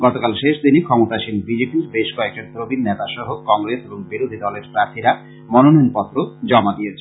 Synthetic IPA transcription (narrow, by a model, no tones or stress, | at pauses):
ɡɔt̪okalʃeʃd̪inikʰɔmot̪aʃimbid͡ʑepiɾbeʃkɔek̚ʈaɾt̪ɾobinːet̪aʃɔɦokɔŋɾeseboŋbiɾod̪ʱid̪ɔleɾpɾaɾt̪ʰiɾa | mɔnonoonpɔt̪ːɾod͡ʑɔmad̪iet͡ɕʰe